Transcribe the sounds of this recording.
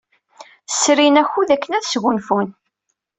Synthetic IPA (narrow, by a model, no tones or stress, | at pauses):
sɾinæçuðækːənæðsʝunfun